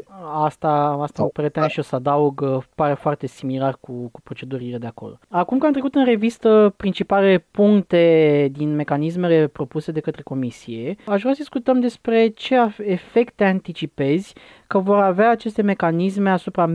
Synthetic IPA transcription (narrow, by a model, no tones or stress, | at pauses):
ast̪aast̪aupəɾet̪eamʃio̞sad̪auɡpaɾefoart̪e̞similarkukupɾo̞t͡ʃe̞d̪uɾile̞d̪e̞ako̞̰lo̰akumkant̪ɾekut̪ɨnre̞vist̪əpɾint͡ʃipalepuŋkt̪e̞d̪inme̞kanis̬me̞le̞pɾo̞puse̞d̪e̞kət̪ɾe̞ko̞misie̞aʃvɾasəd̪iskut̪əmd̪e̞spɾe̞t͡ʃe̞aːfe̞kt̪e̞ant̪it͡ʃipe̞zʲ | kəvo̞ɾaveaːt͡ʃe̞st̪e̞me̞kanisme̞asupɾa